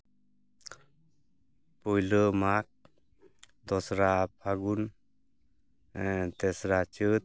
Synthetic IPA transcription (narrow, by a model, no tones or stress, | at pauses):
pɔjləmak̚ | d̪ɔsɾapʰaɡun | t̪ɛsɾat͡ʃɯt̪̚